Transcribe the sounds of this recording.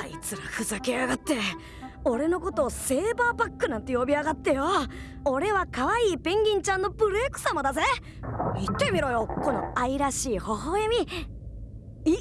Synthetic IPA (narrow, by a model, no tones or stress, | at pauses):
aḭt͡sɨɾaɸɯ̟zakeaɡat̪ːe̞ | o̞ɾe̞no̞ko̞t̪o̞ːse̞ːbaːpakːɯ̟nãnt̪e̞jo̞bʲiaɡat̪ːe̞jo | o̞ɾe̞βakaβaiːpẽ̞ŋɡʲĩɲ̟t͡ɕãnːo̞bɯ̟ɾeːkɯ̟̥sãmːo̞d̪aze | mʲit̪ːe̞mʲiɾo̞jo̞ko̞no̞̰aiɾaɕiːho̞ɦoemʲi | i